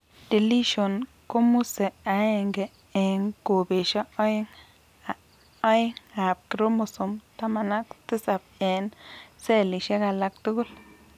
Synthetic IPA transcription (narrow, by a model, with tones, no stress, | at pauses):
d̥i˨li˦ʃo˨n | ko˦mu˦se˨a˨˦e˨ŋɡe˨ | e˨ŋko˨be˨ʃa˦o˦ŋ | a˨ | a˦ji˦ŋa˨p̚ki˨ɾo˦mo˨su˨mt̪a˦ma˨na˦kt̪i˦sa˨p̚e˨nse˦˨li˨ʃe˦ka˨la˨k̚t̪u˦ɡu˦l